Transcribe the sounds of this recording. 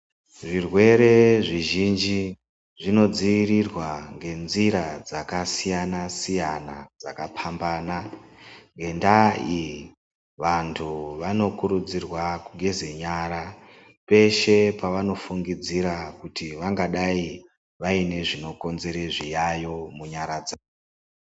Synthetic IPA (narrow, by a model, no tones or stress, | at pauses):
ʐirwe̞ɾe̞ʐiʒind͡ʒi | ʐino̞d͡ziʋirirwaŋɡe̞nziɾad͡zakasijanasijanad͡zakapʰambana | ŋɡe̞ndai | ʋantʰuʋano̞kuɾud͡zirwakuɡʱe̞zeɲaɾa | pe̞ʃe̞paʋano̞fuŋɡid͡ziɾakutiʋaŋɡaɗai | ʋaine̞ʐino̞ko̞nze̞ɾe̞ʐijajo̞muɲaɾad͡zaːo